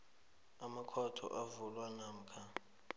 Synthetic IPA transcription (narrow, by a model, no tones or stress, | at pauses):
amakʰɔtʰɔ̰ʔavulwanam̩kʰa